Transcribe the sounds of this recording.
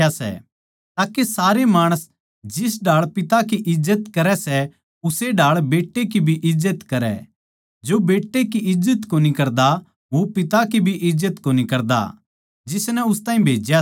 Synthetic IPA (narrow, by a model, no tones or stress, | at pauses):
asɛ̰ | t̪aːkesaːɾemaːɽ̃əs | d͡ʒɪs̬ɖʱaːɭpɪt̪ak̬iʔɪzːət̪kɐɾɛsɛ | ʊseɖʱaːɭbeːʈːekibʱiʔɪzːət̪kɐɾɛ̰ | d͡ʒobeːʈːekiʔɪzːət̪koːnikɐɾd̪a | ʋopɪt̪akibʱiʔɪzːət̪koːnikɐɾd̪a̰ | d͡ʒɪsnɛʊst̪ãːĩbʱeːd͡ʒja